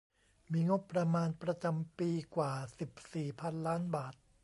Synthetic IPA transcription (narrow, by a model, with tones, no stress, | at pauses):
miː˧ŋo˦˥pːɾa˧maː˧npɾa˧t͡ɕa˧mpiː˧kwaː˨˩si˨˩p̚siː˨˩pʰa˧nlaː˦˥nbaː˨˩t̪̚